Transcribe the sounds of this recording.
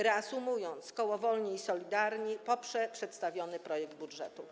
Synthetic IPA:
ɾɛasumujɔnt̪skɔwɔvɔlɲiːsɔlʲid̪aɾɲipɔpʂɛpʂɛt̪st̪avʲjɔnɘpɾɔjɛɡd̪̚budʐɛt̪u

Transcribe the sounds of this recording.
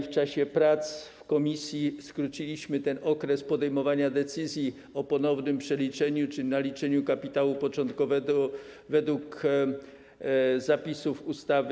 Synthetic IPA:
ft͡ʂaɕɛpɾat̪sfkɔmʲisʲjiskɾut͡ɕilʲiɕmɘt̪ɛnɔkɾɛspɔd̪ɛjmɔvaɲad̪ɛt̪sɘzʲji | ɔpɔnɔvnɘmpʂɛlʲit͡ʂɛɲut͡ʂɘnalʲit͡ʂɛɲukapʲit̪awupɔt͡ʂɔ̃nt̪kɔvɛɡɔ | vɛd̪wuk | zapʲisufust̪av

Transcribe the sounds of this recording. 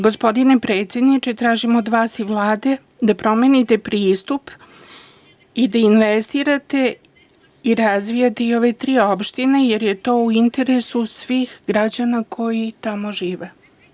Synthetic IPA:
ɡo̞spo̞d̪ine̞pɾe̞ːt̪sʲjed̪nit͡ʃet̪ɾaːʒimod̪ʋaːsiʋlˠaːd̪e̞ | d̪apɾo̞me̞nit̪e̞pɾiːst̪up | id̪ainʋest̪iɾat̪e̞ | iɾazʋijat̪eio̞ʋe̞t̪ɾiːo̞pʃt̪inejeɾjet̪o̞ːuint̪e̞ɾe̞susʋiːxɡɾad͡ʑanakʰo̞jit̪amo̞ʒiːʋe

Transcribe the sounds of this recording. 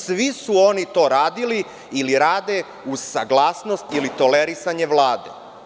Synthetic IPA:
sʋisuo̞nit̪o̞ːɾaːd̪ili | iliɾaːd̪e̞ | uzsaɡlˠaːsno̞st̪ilit̪o̞leɾisaɲe̞ʋlˠaːd̪ḛ

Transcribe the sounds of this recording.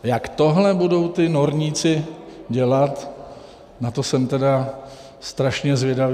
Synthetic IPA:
jakt̪o̞ɦlɛbudo̞wt̪ɪnoɾɲiːt͡sɪɟɛlat̪ | nat̪o̞sɛmt̪ɛda | st̪ɾaʃɲɛzvjɛdav

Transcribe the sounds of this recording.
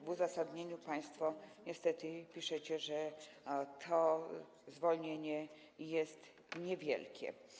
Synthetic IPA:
vuzasad̪ɲeɲupaj̃st̪fɔɲɛst̪ɛt̪ɘpʲiʂɛt͡ɕɛʐɛ | t̪ʰɔ | zvɔlɲeɲɛ | jɛst̪ | ɲɛvʲjɛ̰lkʲɛ̰

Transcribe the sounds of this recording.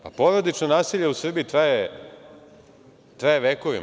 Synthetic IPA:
a̰po̞ʋɾod̪it͡ʃnonaːsiʎeusr̩biit̪ɾaje | t̪ɾajeʋeːkoʋḭm

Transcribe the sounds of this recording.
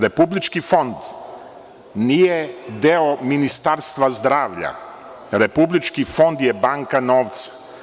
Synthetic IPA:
ɾepublit͡ʃkifo̞nd̪ | nijed̪eominist̪aɾst̪ʋazd̪ɾaːʋʎa̰ | ɾepublit͡ʃkifo̞nd̪jebaŋkanoːʋt̪sḁ

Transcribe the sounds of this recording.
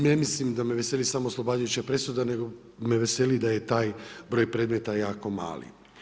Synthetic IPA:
ne̞mislimd̪ameʋese̞lisamoːslˠo̞baːd͡ʒujut͡ɕapɾe̞sud̪ane̞ɡo | meʋe̞selid̪ajet̪aːjbɾo̞ːjpɾe̞d̪me̞t̪ajaːko̞ma̰ːlḭ

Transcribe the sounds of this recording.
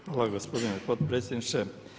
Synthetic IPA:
ʋaːlaɡospod̪inepot̪pɾet̪sʲjʲed̪nit͡ʃe

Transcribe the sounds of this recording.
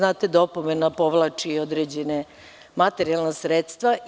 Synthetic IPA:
naːt̪ed̪opomenapo̞ʋlˠaːt͡ʂiod̪ɾed͡ʑene | mat̪eɾialˠnasɾeːt̪st̪ʋa

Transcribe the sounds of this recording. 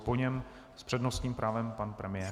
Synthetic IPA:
poɲɛm | spr̥ɛdnost̪ɲiːmpɾʔaːvɛmpanpɾɛmɪjɛː

